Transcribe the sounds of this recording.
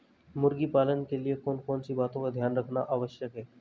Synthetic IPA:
muɾɡiːpalənkeliekonkont͡ɕiːbat̪õkəd̪ʱjanɾəkʰnaʔaʋəɕjəkɦe

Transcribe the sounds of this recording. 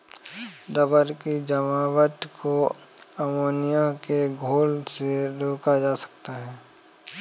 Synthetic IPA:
d̪əbəɾkid͡ʒəmaːwət̪koəmoːnɪjãkeɡʱoːlseɾoːkad͡ʒaːsə̥k̚t̪aɦɛː

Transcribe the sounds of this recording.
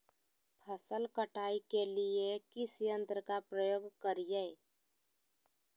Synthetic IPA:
pʰəsəlkəʈʰaːikeliekɪsjə̃nt̪ɾəkapɾəjoːɡkəɾijeː

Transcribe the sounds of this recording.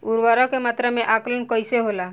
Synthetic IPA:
uɾʋaɾakemaːt̪ɾəmẽʔaklənkɔjseɦola

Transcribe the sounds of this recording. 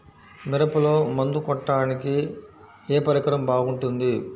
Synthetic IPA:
miɾɐpulo̞ːmɐnd̪ukɔʈːaːniki | eːpɐɾikɐɾɐmbaːɡuɳʈund̪i

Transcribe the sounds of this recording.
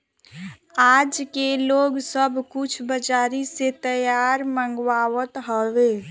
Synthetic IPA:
aːd͡ʒkeloːɡsəbʱkʊt͡ʃʰbəd͡ʒaːɾiset̪əjaːɾmə̃ŋɡwaːwət̪ɦɔwe

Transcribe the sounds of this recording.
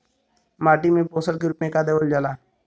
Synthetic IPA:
maːʈimẽpoːsəɾkeɾʊpẽkad̪eʋəld͡ʒəlaː

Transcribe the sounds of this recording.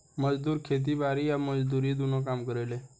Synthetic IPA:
məd͡ʒd̪uːɾkʰet̪̬ibaɾiaməd͡ʒd̪uɾid̪unokaːmkəɾele

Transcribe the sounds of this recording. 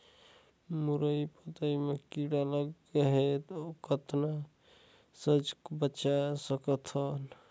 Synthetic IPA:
muɾəipət̪əimekiɽaləɡːeɦet̪okət̪na | səd͡ʒkbəːt͡ʃasəkət̪ʰəl

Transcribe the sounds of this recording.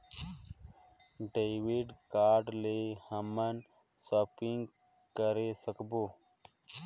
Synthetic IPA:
ɖewiɖkaːɖlehəmən | səpiŋɡ | kəɾesəkbo

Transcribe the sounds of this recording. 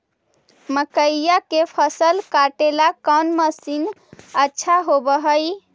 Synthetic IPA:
məkəijakepʰəsəlkaʈelakənməsinətːʃʰaɦobəɦəj

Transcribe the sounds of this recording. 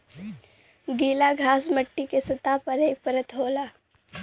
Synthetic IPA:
ɡiːlaɡʱaːsməʈːikesɐt̪apɐɾeːk̚pəɾət̪ɦoːlaː

